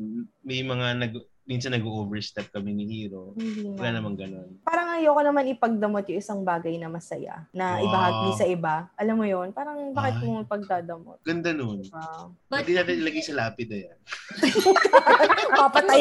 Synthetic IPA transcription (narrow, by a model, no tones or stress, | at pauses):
mɛjmɐŋanɐɡ | minsɐnːɐɡoʔoːvɛɹst̪ɛp̚kɐmɛnɪhiːɾowwɐlaːnɐmaŋɡɐnonpaːɾɐŋʔɐjoːkonɐmanɪpɐɡ̚d̪ɐmot̪̚jʊŋɪsɐŋbaːɡɐjnɐmɐsɐja̰nɐʔɪbɐɦaɡisɐʔɪbaʔɐlamːojonpaːɾɐŋbaːkɪt̪̚mopɐɡ̚d̪aːd̪ɐmot̪ɡ̥ɐnd̪anon | d̪ɪnat̪ɐlɐɡɐjsɐlaːpɪd̪ɐjan | ɐpɐpɐt̪ɐj